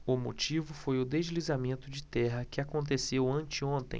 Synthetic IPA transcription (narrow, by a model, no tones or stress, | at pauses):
ʊmo̰t͡ʃivʊfojʊd̪eʒlizamẽnt̪ʊd͡ʒɪt̪ɛɦɐkɪakõnt̪esewɐ̃t͡ʃɪõnt̪ḛ̃j̃